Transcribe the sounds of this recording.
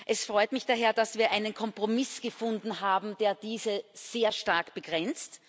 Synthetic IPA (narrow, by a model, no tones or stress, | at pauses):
ʔɛsfʁ̥ɔʏtmɪçd̥aɦeːɐd̥asviːɐʔaɪnənkʰɔmpʁ̥omɪsɡ̥əfʊndn̩ɦaːbm̩d̥eːɐdiːzəz̥eːɐʃtaɐkb̥əɡ̥ʁɛnt͡st